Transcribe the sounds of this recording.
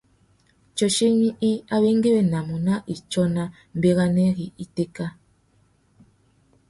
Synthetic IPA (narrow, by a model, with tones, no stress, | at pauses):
t͡ʃɔ˨ʃe˦ɲi˦i˦a˦βe˦ŋɡe˦we˦˨na˨mu˨na˦ʔi˨t͡ʃɔ˦na˦ | m̩˨be˦ɣa˦nɛ˦ɣi˨i˦te˦ka˦